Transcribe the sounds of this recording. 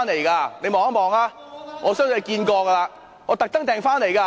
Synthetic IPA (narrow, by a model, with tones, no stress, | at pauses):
nle˨˩jkaː˧ne˨˧mɔː˨˩ŋɐ˥mɔː˨ŋaː˥ | ŋɔː˨˧sœː˥ŋtːkiː˧nkɔː˧kɐ˧laː˧ | ŋɔː˨˧t̪ɐ˨k̚t̪ɐ˥ŋt̪ɛː˨ŋfaː˥nle˨˩jkaː˧